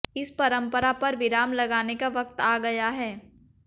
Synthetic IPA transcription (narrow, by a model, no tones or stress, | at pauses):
ɪspɐɾə̃mpəɾapɐɾʋɪɾaːmlɐɡaːnekaʋɐk̚t̪aːɡɐjaɦɛː